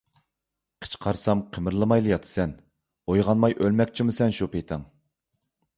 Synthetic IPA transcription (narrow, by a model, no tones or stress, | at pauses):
qʰə̥t͡ʃqʰɑɾsɑmqʰəmɨɾlˠɨmɑjlˠɨjɑt̪ʰɨ̥sɛn | ojʁɑnmɑjʔølmɛkʲt͡ʃʰimusɛnʃupejt̪ʰɨŋ